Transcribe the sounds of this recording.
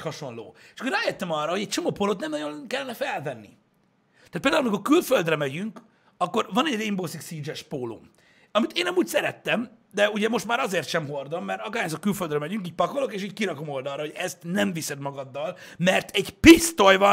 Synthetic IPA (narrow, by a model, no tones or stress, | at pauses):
hɒʃo̞nlo̰ːʃkoraːjøt̪ːɛmɒrːɒho̞ɟɛc̚t͡ʃo̞mopoːlot̪nɛmnɒjonkɛlːɛnɛfɛlvɛnːḭ | t̪aːt̪̚eld̪aulmiko̞rkylføld̪rɛmɛɟyŋk | ɒkːo̞rvɒnɛɟrembosiksiːd͡ʒɛʃpoːlo̰m | ɒmit̪eːnɛmuːcsɛɾɛt̪ːɛm | d̪ɛuɟɛmo̞ʃt̪maːɾɒzeːrt̪ʃɛmɦo̞rd̪o̞mːɛrt̪ɒɡaːɾjazokkylføld̪rɛmɛɟyŋkiːc̚pɒkolo̞keːʃiːɟkiɾɒko̞mo̞ld̪ɒrːɒɦo̞ɟɛst̪nɛɱvisɛd̪mɒɡɒd̪ːɒl | mɛrt̪ʰɛɟpist̪ojvɒ